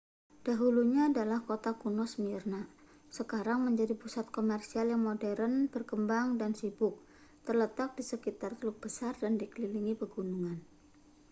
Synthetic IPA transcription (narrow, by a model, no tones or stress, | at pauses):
d̥aɦuluɲaːdalahkot̪akunɔsmirna | səkaɾaŋməɲd͡ʒadipusat̪̚komɛrsialjaŋmodɛɾənb̥ərkəmbaŋdansibʊk̚ | t̪ərlət̪ak̚disəkit̪art̪əluk̚b̥əsardandikəliliŋipəɡunuŋan